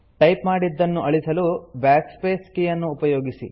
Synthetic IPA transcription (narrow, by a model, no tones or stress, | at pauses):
ʈɐjpmaːɽid̪ːɐnːuʔɐɭisɐlubaːkspeːskijɐnːuːpɐjoːɡisḭ